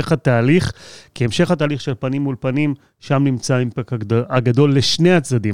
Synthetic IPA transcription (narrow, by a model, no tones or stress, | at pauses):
eχat̪aːliχkiemʃe̞χataːliχʃe̞lpanimːulpanim | ʃamnimt͡saimpekaɡad̪o̞lːeʃne̞at͡sdad̪im